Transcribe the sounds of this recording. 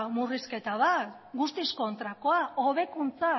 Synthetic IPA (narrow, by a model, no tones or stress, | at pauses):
muriske̞t̪aða | ɡust̪isko̞nt̪ɾako̞ao̞βe̞kunt͡sa